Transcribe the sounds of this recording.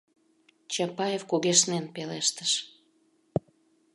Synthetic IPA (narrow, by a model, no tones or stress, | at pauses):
t͡ɕɑpɑjefkuɣeʃnenpeleʃt̪ə̥ʃ